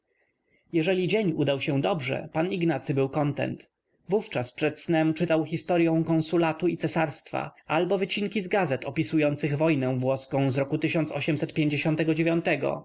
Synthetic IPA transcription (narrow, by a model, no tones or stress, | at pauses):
jɛʐɛlʲid͡ʑeɲud̪awɕɛ̃d̪ɔbʐɛ̰paniɡnat̪sɘbɘwkɔnt̪ɛ̰nt̪ | vuft͡ʂaspʂɛt̪snɛmt͡ʂɘt̪awxʲist̪ɔɾjɔ̃w̃kɔ̃ñsulat̪uit̪sɛsaɾst̪fa̰albɔvɘt͡ɕiŋkʲizɡazɛt̪ɔpʲisujɔnt̪sɘɣvɔjnɛ̃vwɔskɔ̃w̃zɾɔkut̪ɘɕɔnt̪sɔɕɛmsɛt̪pʲjeɲd͡ʑeɕɔ̃nt̪ɛɡɔd͡ʑevʲjɔnt̪ɛɡɔ̰